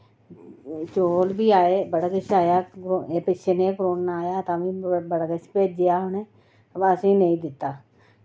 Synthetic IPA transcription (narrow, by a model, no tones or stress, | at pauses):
t͡ʃoːlbʱiːaːeːbəɽəkɪt͡ʃaːjaːɾoeːpɪt͡ʃʰenẽːkɾoːnnaːjaːt̪ãːbĩːbəɽket͡ʃpeːd͡ʒd͡ʒejaːɦʊneː | əsĩːnəĩːd̪ɪt̪ːaː